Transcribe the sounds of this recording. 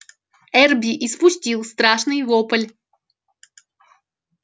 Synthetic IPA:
ɛrbʲiʔɪspʊsʲtʲilˠst̪ɾaʂnɨjvopəlʲ

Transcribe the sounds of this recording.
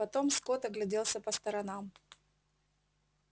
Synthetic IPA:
ɐt̪o̞mskot̪ɐɡlʲɪdʲelˠsʲəpɐst̪ɐɾɐnam

